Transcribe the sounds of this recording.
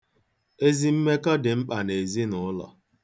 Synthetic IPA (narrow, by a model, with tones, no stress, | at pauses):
e˦zi˦m̩˦me˦kɔ˦dɪ˨ŋ͡m̩˦k͡pa˨ne˨zi˦nʊ˨˦lɔ̰˨